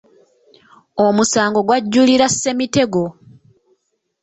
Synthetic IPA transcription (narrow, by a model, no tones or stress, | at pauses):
omusaːŋɡo̞ɡwaɟːuliɾasːe̞mite̞ɡo̞